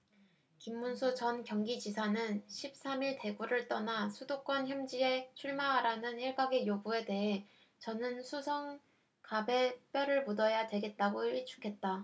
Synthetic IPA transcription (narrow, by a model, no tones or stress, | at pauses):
kimːunsʰut͡ɕʌnkjʌŋɡid͡ʑisʰanɯnɕʰip̚s͈amiɭte̞ɡuɾɯɭt͈ʌnasʰudok͈wʌnçjʌmd͡ʑie̞t͡ɕʰuɭmaaɾanɯniɭɡaɡe̞jobue̞de̞ɦe̞ | t͡ɕʌnɯnsʰusʰʌŋ | kabe̞p͈jʌɾɯɭmudʌjadwe̞ɡe̞t̚t͈aɡoiɭt͡ɕʰu̥kʰe̞t̚t͈a